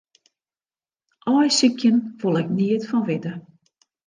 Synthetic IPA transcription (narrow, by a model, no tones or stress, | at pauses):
ʔɔjsikʰjənfolˠɛk̚niətfɔnʋɪdə